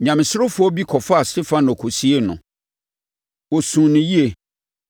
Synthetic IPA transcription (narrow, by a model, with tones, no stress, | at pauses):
ɲã˨mɪ̃˨sʊ˦ɾʊ˦fʊ˦ɔ˦bi˦kʰɔ˨fa˦a˨stɪ˦fã˦nɔ̃˨kʰo˨si˦e˦nʊ̰̃˨ | wɔ˨sũː˨nʊ̃˨ji˦e˨